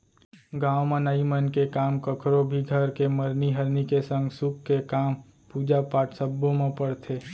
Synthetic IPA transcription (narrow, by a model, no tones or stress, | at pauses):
ɡãːwmənaːimənkekaːmkəkʰɾobʱiɡʱəɾkeməɾniɦəɾnikesə̃ŋɡsʊkːekaːm | puːd͡ʒapaːʈsəbːõmẽpəɽt̪ʰeː